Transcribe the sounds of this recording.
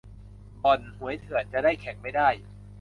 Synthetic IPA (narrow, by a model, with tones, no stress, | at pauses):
bɔ˨˩nhu˨˩˦əjt̪ʰɯ˨˩˦ət͡ɕa˨˩daː˥˩jkʰɛ˨˩˦ŋma˥˩jdaː˥˩j